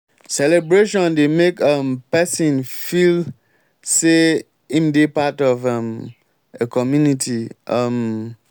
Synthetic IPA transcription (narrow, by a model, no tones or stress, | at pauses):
sɛlɛbɹeʃɔ̃ndemekampɛsĩnfil | se | ĩmdepatɔvãm | ekʰɔmjunitʰiʔʌm